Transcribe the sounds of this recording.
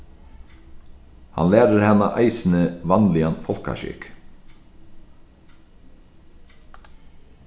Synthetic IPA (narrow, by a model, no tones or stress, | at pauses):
ha̰nlæːɾəɾhɛna̰ʔajsɪnəvanlɪanfɔl̥ka̰ʃɪ̰k